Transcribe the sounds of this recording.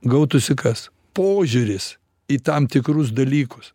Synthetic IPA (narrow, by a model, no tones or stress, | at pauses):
ɡɐʊt̪ʊsʲɪkɐs | poːʒʲuɾʲɪs | iːt̪ɐmt̪ʲɪkɾʊs̬d̪ɐlʲiːkʊs